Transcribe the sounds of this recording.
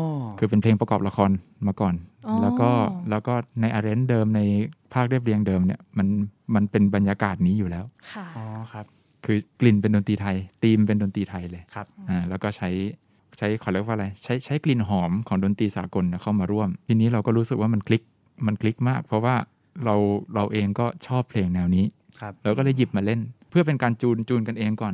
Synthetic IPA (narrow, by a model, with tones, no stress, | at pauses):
ʔkʰɯː˧pe˧npʰleː˧ŋpɾa˧kɔː˨˩p̚la˧kʰɔː˧nmaː˧kɔː˨˩nlɛː˦˥kɔː˥˩lɛː˦˥wkɔː˥˩na˧jʔaː˧ɾe˦˥ndɤː˧mna˧jpʰaː˥˩k̚ɾi˥˩p̚ɾi˧əŋdɤː˧mni˥˩ɐma˧nma˧npe˧nba˧njaː˧kaː˨˩t̪̚niː˦˥juː˨˩lɛː˦˥wʰ | kʰɯː˧kli˨˩np̬e˧ndoː˧nt̪iː˧t̪ʰa˧jt̪iː˧mp̬e˧ndoː˧nt̪iː˧t̪ʰa˧jlɤː˧jʰʔaː˨˩lɛː˦˥wkɔː˥˩t͡ɕʰa˦˥j | t͡ɕʰa˦˥jkʰɔ˨˩lɛ˥˩k̚waː˥˩˧ɾa˧jt͡ɕʰa˦˥jt͡ɕʰa˦˥jkli˨˩nɦɔː˩˦mkʰɔː˩˦ŋdoː˧nt̪iː˧saː˩˦ko˧nːi˥˩kʰa˥˩wmaː˧ɾu˥˩əmt̪ʰiː˧niː˦˥ɾa˧wkɔː˥˩ɾuː˦˥sɯ˨k̚waː˥˩ma˧nkʰli˦˥k̚ | ma˧nkʰli˦˥k̚maː˥˩k̚pʰɔ˦˥waː˥˩ | ɾa˧wɾa˧wʔeː˧ŋkɔː˥˩t͡ɕʰɔː˥˩pʰleː˧ŋnɛː˧wniː˦˥˦ | lɛː˧˦˥wkɔː˥˩lɤ˧˩ji˨˩p̚maː˧le˥˩npʰɯ˥˩ɐp̬e˧nkaː˧nt͡ɕuː˧nt͡ɕuː˧nka˧nʔeː˧ŋkɔː˨˩n